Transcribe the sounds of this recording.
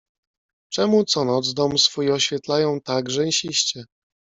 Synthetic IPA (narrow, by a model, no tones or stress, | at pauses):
t͡ʂɛmut̪sɔnɔd̪zd̪ɔmsfujɔɕfʲjɛt̪lajɔ̃w̃t̪aɡʐɛɲɕiɕt͡ɕɛ